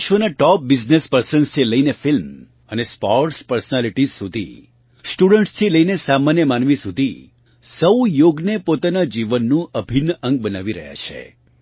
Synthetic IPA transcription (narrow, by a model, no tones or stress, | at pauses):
ʃʋənaʈɔp̚bid͡ʒnespəɾsənst̪ʰiləinefilm | ənespɔɾʈspəɾsənaliʈizsud̪ʱḭ | sʈuɽəɳʈst̪ʰiləinesamanjəmanʋisud̪ʱi | səwjoɡnepot̪anad͡ʒiʋənːũʔəbʱinəʔə̃ŋɡ̚bənaʋiɾə̰ɦja̰t͡ʃʰḛ